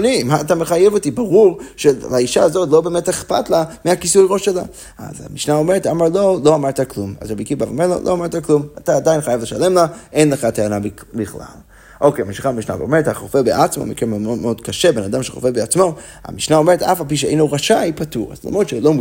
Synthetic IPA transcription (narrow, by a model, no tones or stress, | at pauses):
nimaːt̪̬ameχajevotibaʁuʁʃelaiʃaːzo̞tlo̞be̞ːmeteχpa̰tlamiakisujʁo̞ʃela̰ | a̰za̰miʃnao̞me̞ʁetamaʁlo̞lo̞amaʁt̪akluma̰zʁabikibavomeʁlo̰lʔoamaʁt̪aklumataːdainχajavle̞ʃale̞mlaʔenleχateanab | biχla̰l | ʔo̞kejamiʃiχamiʃna̰veome̞ethaχofebeʔat͡smo̰mḭkenmoodmeodkaʃe̞be̞nadamʃeχo̞̰febeat͡smo̞ | a̰miʃnao̞me̞ʁetafalp̬iʃ̬eḛjnoʁaʃaipatuʁa̰zla̰mʁod̪t͡ʃelom